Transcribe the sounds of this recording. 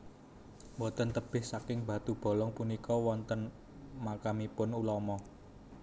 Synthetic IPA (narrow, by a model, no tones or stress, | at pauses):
mbɔt̪ənt̪əb̥ɪhsakɪŋbä̤t̪ub̥ɔ̤lɔŋpunikɔwɔnt̪ən | makamipʊnulɔmɔ